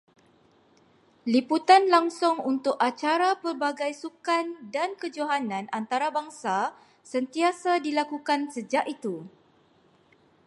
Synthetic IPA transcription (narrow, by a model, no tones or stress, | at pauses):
liput̪anlaŋsʊŋunt̪ʊkat͡ʃaɾapərbaɡajsukandankəd͡ʒoɦanãnant̪aɾabaŋsa | sənt̪iasadilakukansəd͡ʒaʔit̪u